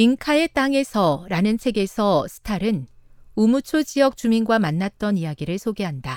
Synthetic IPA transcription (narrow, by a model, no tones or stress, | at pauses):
iŋkʰae̞t͈aŋe̞sʰʌɾanɯnsʰe̞ɡe̞sʰʌsʰɯ̥tʰaɾɯnumut͡ɕʰod͡ʑiʌk̚t͡ɕ͈uminɡwamanːat̚t͈ʌnijaɡiɾɯɭsʰoɡe̞ɦanda